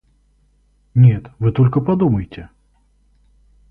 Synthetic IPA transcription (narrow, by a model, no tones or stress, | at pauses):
nʲɛt̪vɨt̪ɔlʲkɐpad̪uməjɪtʲɛ